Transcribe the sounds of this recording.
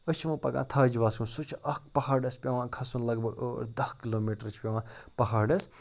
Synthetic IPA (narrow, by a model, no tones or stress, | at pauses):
ət͡ʃʰimɨ̃pɐkã̰ːt̪ʰaːd͡ʒʋaːsũnsut͡ʃʰɐk̚pɐɦaːɖɐspʲeʋãːkʰɐsunlɐɡbɐɽo̰ːɾd̪ɐhkiloːmeːʈɾɨt͡ʃʰpʲeʋãːpɐɦaːɖɐs